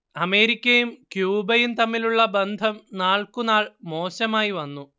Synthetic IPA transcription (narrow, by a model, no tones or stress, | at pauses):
ɐme̞ːɾikʲːɐjumkjuːbɐjumt̪ɐmːiluɭːɐbend̪ʱɐmnaːɭkunaːɭmo̞ːɕɐmaːjiʋɐnːu